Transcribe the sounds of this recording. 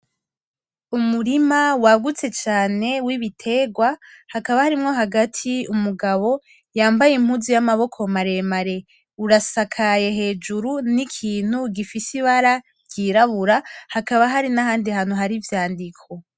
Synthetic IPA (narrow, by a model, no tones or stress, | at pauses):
umuɾimawaɡut͡se̞t͡ʃaːne̞wiβitʰe̞ɡwahakaβahaɾimŋo̞ɦaɡatʰiumuɡaβo̞ | jaːmbajim̥huzijamaβo̞kʰo̞maɾe̞maɾe̞ | uɾasakʰaje̞ɦe̞ːd͡ʒuɾunikʰiːn̥huɡifisiβaɾa | ɟ̥iɾaβuɾahakaβaɦaɾinahaːndihaːn̥uɦaɾivjaːndikʰo̞